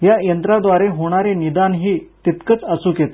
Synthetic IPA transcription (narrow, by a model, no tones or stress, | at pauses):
jajənt̪ɾad̪ʋaɾeɦoɽ̃aɾenid̪anɦiːt̪it̪kət͡səsuːkjet̪